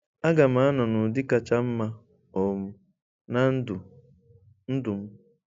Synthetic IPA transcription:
a˦ɡa˨m̩a˨˦a˦nɔ˨nʊ˨dɪ˦ka˨t͡ʃa˦m̩˦ma˦ | o˨mʊ˨ | na˦n̩˦du˨ | n̩˦dʊ˨m̩˦

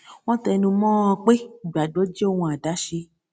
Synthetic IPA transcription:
w̃ɔ̃˦tɛ˧nũ˧mɔ̃ː˦ɔ̃˧k͡pe˦i˨ɡ͡ba˨do˨˦d͡ʒe˦o˦˨wũ˧a˨da˨˦ʃe˧˦

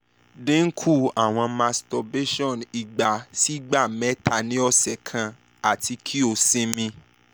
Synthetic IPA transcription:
dẽ˦ŋ̩˦kʰu˦˨a˨w̃ɔ̃˧ma˧stɔ˧be˦ʃɔ̃˦˨ni˨ɡ͡ba˨si˦ɡ͡ba˦˨mɛ˨˦tʰa˧˨nĩ˨˦ɔ˦sɛ˨kʰã˧ | a˨ti˧kʰi˦o˧sĩ˦mĩ˧

